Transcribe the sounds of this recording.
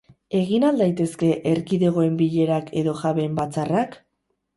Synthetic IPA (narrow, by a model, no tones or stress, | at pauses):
e̞ɣ̞inald̪ajt̪e̞ske̞ʔeɾkiðe̞ɣ̞o̞e̞mbiʎe̞ɾakʰe̞ðo̞ʝaβe̞mbat͡sarak